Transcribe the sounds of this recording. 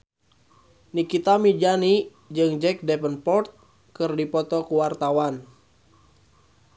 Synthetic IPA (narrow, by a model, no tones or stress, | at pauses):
nikit̪amid͡ʒani | d͡ʒɨŋd͡ʒɛk̚dɛpənpɔrt̪̚ | kɨrdipɔt̪ɔkuwart̪awan